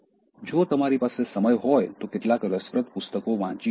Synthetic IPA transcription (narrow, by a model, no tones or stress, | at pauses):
d͡ʒot̪əmaɾipasesəməjɦɔjt̪okɪʈlakɾəsʋɾət̪pʊst̪əkoʋãt͡ʃi